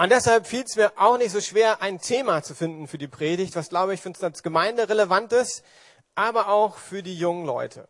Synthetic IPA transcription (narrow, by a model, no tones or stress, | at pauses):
ʔʊnt̚d̥ɛshalpfiːlsmiːɐʔaʊxnɪçtz̥oːʃv̥eːɐʔaɪntʰeːmat͡sufɪndn̩fyːɐdiːpʁ̥eːdɪçtv̥asɡ̥laʊbəɪçfnsalsɡ̥əmaɪndəʁeləvantɪst | ʔaːbɐʔaʊxfyːɐdiːjʊŋənlɔ̰ʏtʰə̰